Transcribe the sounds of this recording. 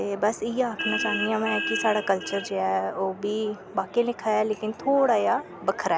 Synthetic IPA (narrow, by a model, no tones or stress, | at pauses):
t̪eːbəsijeaːkʰnat͡ʃaːnd̪iãʋɛ̃kisaːɽaːkəlt͡ʃəɾd͡ʒeːɛːoːbʱiː | baːkelɪkʰaɛleːkɪnt̪ʰoːɽaːja | bəkʰəɾɛː